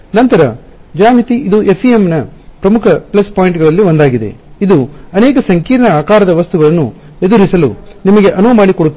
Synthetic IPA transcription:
nɐnt̪ɐɾɐd͡ʒaːmit̪iid̪uʔe̞pʰːijemnɐpɾɐmukʰɐpɭɐspaːjiɳʈɡɐɭɐlːiʋond̪aːɡid̪e̞̰id̪uɐnɛːkɐsɐŋkiːɾɳɐaːkaːɾɐd̪ɐʋɐst̪uɡɐɭɐnːṵ | e̞d̪uɾisɐlṵnimɐɡe̞ʔɐnuʋɐmaːɽikoɽut̪ː

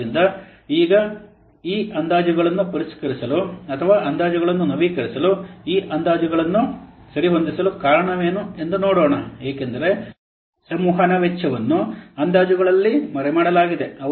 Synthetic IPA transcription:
ind̪ɐ | iːɡɐ | iːʔɐnd̪aːd͡ʒuɡɐɭɐnːupɐɾiskɐɾisɐluɐt̪ʰɐʋaːʔɐnd̪aːd͡ʒuɡɐɭɐnːunɐʋiːkɐɾisɐluiːʔɐnd̪aːd͡ʒuɡɐɭɐnːusɐɾiɦo̞nd̪isɐlukaːɾɐɳɐʋe̞ːnue̞nd̪unoːɽoːɳɐeːkend̪ɐɾe̞ | sɐmuːɦanɐʋet͡ʃʰːɐʋɐnːuɐnd̪aːd͡ʒuɡɐɭɐlːimɐɾɛmaːɽɐlaːɡid̪e̞ɐ

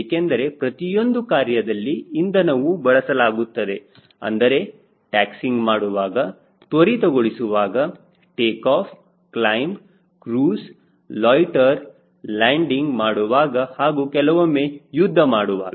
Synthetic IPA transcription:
ekend̪ɐɾe̞pɾɐt̪ijo̞nd̪ukaːɾjɐd̪ɐlːiːnd̪ɐnɐʋubɐɭɐsɐlaːɡut̪ːɐd̪e̞ | ɐ̰nd̪ɐɾe̞ | ʈaːksiŋɡmaːɽuʋaːɡɐ | t̪ʋɐɾit̪ɔɡoɭisuʋaːɡɐ | ʈeːkaːpʰ | klɐjm | kɾuːs | lɔːjʈɐɾ | laːɳɖiŋɡmaːɽuʋaːɡɐhaːɡuːkɛlɐʋɐmːeːjud̪ʱːɐmaːɽuʋa̰ːɡɐ

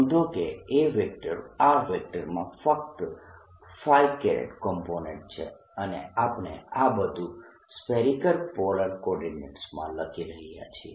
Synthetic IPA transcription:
d̪okeeʋek̚ʈəɾaʋɛk̚ʈəɾmãfək̚t̪ | faikeɾḛʈkɔmponẽɳʈ̚t͡ʃʰḛ | ənḛapnḛabəd̪ʱu | spɛɾikəɾpɔləɾkɔɖineɳʈsmãləkʰiɾəɦija̰t͡ʃʰie

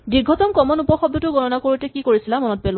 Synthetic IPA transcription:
biɡʱɔtɔmkɔmɔnupɔxɔb̚dʱɔtʊɡɔnɔnakoɹutɛkikoɹisilamɔnɔt̚pel

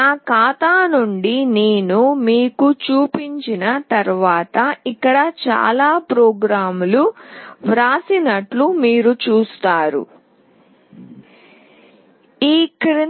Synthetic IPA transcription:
aːkaːt̪aːnuɳɖineːnumiːkut͡ʃuːpiɲt͡ʃinɐt̪ɐɾʋaːt̪ɐikːɐɽɐt͡ʃa̰ːlaːpɾoːɡɾaːmuluʋɾaːsinɐʈlumiːɾut͡ʃuːst̪aːɾṵ | iːkɾi

